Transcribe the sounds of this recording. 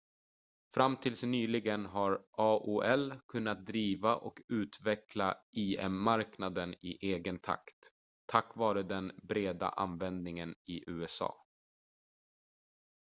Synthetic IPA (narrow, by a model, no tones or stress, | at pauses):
fɾamt̪ʰɪlsnyːlɪɡənɦaɾʔɑːʔuɛlkʰɵnːat̪̚d̪ɾiːvaʔɔ̰kʉ̟ːt̪vɛklaʔiːɛ̰mːaɾknad̪ənɪʔeːɡənt̪ʰa̰kt̪ʰː | akːvɑːɾəd̪ɛnbɾeːd̪a̰ʔa̰nvɛnd̪nɪŋənɪʔʉ̟ːɛsɑ̰ː